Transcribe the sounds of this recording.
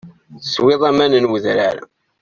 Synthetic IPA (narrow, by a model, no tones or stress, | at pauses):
sweðˤæmænənwəðɾæɾ